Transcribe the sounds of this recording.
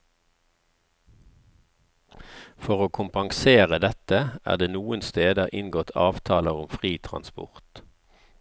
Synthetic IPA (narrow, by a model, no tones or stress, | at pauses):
fɔʁoːkʰʊmpɑŋseːʁəd̪ɛt̪əʔæ̰ːʁd̪eːnuːənst̪eːd̪əʔɪnɡɔt̪ʰɑ̰ːʋt̪ʰɑːləʁʊmfʁiːt̪ʰʁɑ̰nspʊ̰ʁt̪